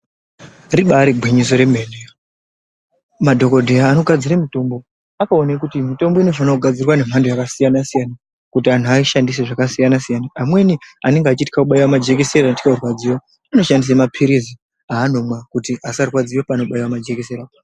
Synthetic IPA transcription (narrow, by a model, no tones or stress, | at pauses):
riɓaɾibʱwiɲiso̞ɾe̞mene | madʱo̞ko̞dʱeaːno̞ɡʱad͡ziɾamito̞mbo̞ | akaonekutimito̞mbo̞ino̞fanakuɡʱad͡zirwane̞m̤andojakasijanasijana | kutian̤uaiʃandis̬eʐakasijanasijanaːmwe̞niane̞ŋɡeat͡ʃiti̥kakuɓaiwamad͡ʒe̞kese̞rantikaorwad͡ziwo | ano̞ʃandis̬emapʰiɾizi | aːno̞mwakutiʔasarwad͡ziwopaːno̞ɓaiwamad͡ʒe̞keseɾa